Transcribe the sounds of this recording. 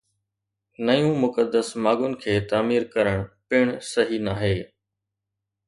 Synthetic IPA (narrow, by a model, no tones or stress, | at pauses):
nɐjũmʊkəd̪ːəsmaːɡʊnɪ̆kʰeːt̪aːmiːɾkɐɾəɽ̃pɪɽ̃sɐɦinaːɦeː